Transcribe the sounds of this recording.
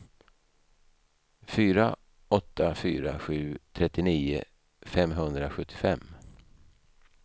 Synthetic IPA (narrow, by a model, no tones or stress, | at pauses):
fyːɾa | ɔt̪ːafyːɾa̰ɧʉ̟ːt̪ʰɾɛt̪ːɪniːʊ̰ | fɛmɦɵnd̪ɾaɧɵt̪ʰːɪ̥fɛmː